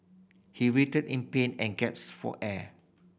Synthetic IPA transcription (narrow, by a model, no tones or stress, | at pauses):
hiɹitədĩnpẽnɛ̃nɡɛp̚sfɔ̰ʔɛ